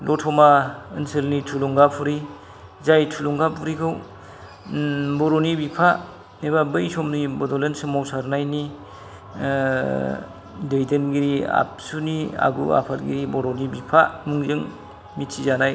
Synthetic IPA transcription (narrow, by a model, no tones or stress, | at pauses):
lɔtʰɔmaɯ̰nsɯlnitʰuluŋɡapʰuɾi | zajtʰuluŋɡapʰuɾikʰɯw | bɔɾɔnibipʰa | nebabɯjsɔmnibɔdɔlensɯmawsaɾnajni | dɯjdɯnɡiɾia̰p̚sunia̰ɡṵa̰pʰatɡḭɾibɔɾɔnibipʰamuŋzɯŋ | mitsʰizanaj